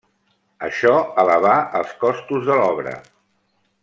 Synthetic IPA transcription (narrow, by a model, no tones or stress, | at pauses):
əʃɔələβ̞aəlˠskɔst̪uzðəlɔβɾə̰